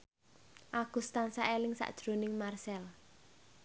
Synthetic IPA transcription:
ʔaɡ̥ṳst̪ansaʔelɪŋsa̰ʔd̥ʒ̥ɾo̤nɪŋmarsɛl

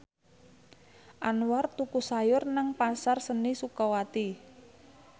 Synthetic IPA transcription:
ʔanwart̪ukusajʊrnəŋpasarsənisukɔwat̪i

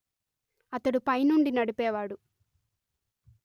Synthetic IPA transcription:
ɐt̪ɐɽupɐjnuɳɖinɐɽipɛːʋaːɽu

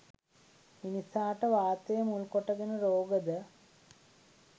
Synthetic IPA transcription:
minisaːʈːɐʋaːt̪ːɐjɐmuɭkoʈːɐɣɐnɨɾoːɡɐðɨ

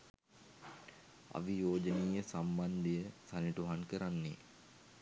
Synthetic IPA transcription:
a̰ʋijoːd͡ʒəniːjəsamband̪ijəsaniʈuɦankəɾanːḛ

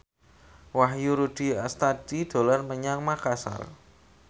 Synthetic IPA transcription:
waɦjuɾud̥i̤ast̪ad̥id̥o̤lanməɲaŋmakasa̰r

